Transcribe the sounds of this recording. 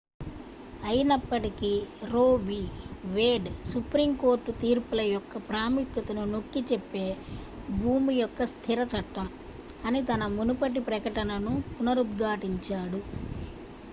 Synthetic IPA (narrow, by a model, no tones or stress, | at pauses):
ɐjinɐpːɐʈikiɾoːʋiʋeːɖsupɾimko̞ːɾʈːut̪iːɾpulɐjɔkːɐpɾaːmikjɐt̪ɐnunokːit͡ʃepːe̞ːbʱuːmijɔkːɐst̪ʰiɾɐt͡ʃɐʈːɐm | ɐnit̪ɐnɐmunupɐʈ̬ipɾɐkɐʈɐnɐnupunɐɾud̪ɡʱaːʈiɲt͡ʃaːɽu